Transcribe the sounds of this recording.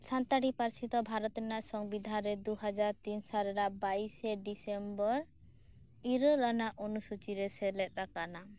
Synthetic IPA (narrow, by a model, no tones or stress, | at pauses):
sant̪aɽipaɾsit̪ɔbʱaɾɔt̪ɛnaʔsɔŋbid̪ʱaɾɛd̪uɦad͡ʒaɾt̪insalɛɾabaisɛɖisɛmbɔɾ | iɾɔlanaʔonusut͡ʃiɾɛsɛlɛt̪̚ˀt̪akana